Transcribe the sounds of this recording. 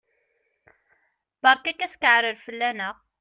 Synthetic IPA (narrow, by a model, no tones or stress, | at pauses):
bɑɾˤkækːæskəʕɾəɾfəlːænəʁ